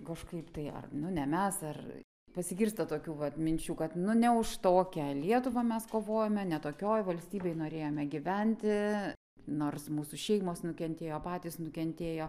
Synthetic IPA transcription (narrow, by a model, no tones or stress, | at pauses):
kɐʃkɐɪpt̪ɐɪɐ̰rnʊnʲɛmʲɛsɐr | pɐsʲɪɡʲɪrst̪ɐt̪oːkʲuːʋɐt̪mʲɪnʲt͡ʃʲuːkɐt̪nʊnʲɛʊʃt̪oːkʲɛlʲiɛt̪ʊʋɐmʲɛskoːʋoːjoːmʲɛnʲɛt̪oːkʲoːjʋɐlʲsʲt̪ʲiːbʲɛɪnoːɾʲeːjoːmʲɛɡʲɪʋʲɛnʲt̪ʲɪ | noːrsmuːsʊʃʲɛɪmoːsnʊkʲɛnʲt̪ʲeːjoːpɑːt̪ʲiːsnʊkʲɛnʲt̪ʲeːjoː